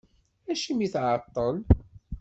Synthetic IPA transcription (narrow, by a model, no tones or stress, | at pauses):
æʃimiθʕɑt̪ˤːəl